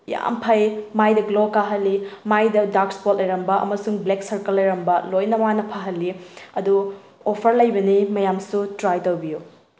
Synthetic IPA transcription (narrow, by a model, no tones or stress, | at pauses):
ja̰mpʰɐjmajdɐɡlokaɦɐlːimajdɐdakspot̚lɐjɾɐmbɐʔɐ̰mɐsuŋbleksɐɾkɐlːɐjɾɐmbɐlojnɐmanɐpʰaɦɐlːiɐdu | opʰɐɾlɐjbɐnimɐjamsutɾajtɐwbiju